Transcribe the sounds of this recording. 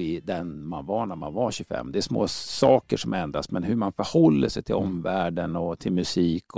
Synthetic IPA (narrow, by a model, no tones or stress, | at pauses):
ɪd̪ɛnmanvaɳæɾma̰nvaɕʉfɛ̰mːd̪ɛæʂmoːsɑːkəʂɔmɛnd̪ɾasmɛnɦɵɾmanfœɾhɔlːəʂɛjt̪ʰɪlɔmvæːɖənɔt̪ʰɪlmɵsiːkʰ